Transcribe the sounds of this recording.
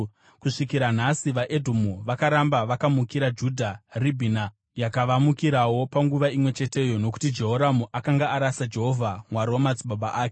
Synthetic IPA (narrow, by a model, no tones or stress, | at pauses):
kuʂikiɾan̤asiʋaʔedʱumuʋakaɾambaʋakamukiɾad͡ʒudʱaribʱina | jakaʋamukiɾawo̞paŋɡuʋaimwe̞t͡ʃe̞te̞jo̞no̞k̬u̥tid͡ʒe̞ɦoɾamuʔakaŋɡaːɾasad͡ʒe̞ɦo̞vʱamwaɾo̞mat͡sɓabaʔaːke